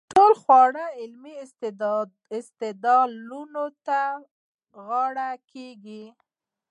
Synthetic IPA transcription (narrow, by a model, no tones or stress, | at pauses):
ʈolxwɑɽəɪlmiɪs | ɪst̪ɪd̪ɑlunot̪a | ɣɑɽakeɡi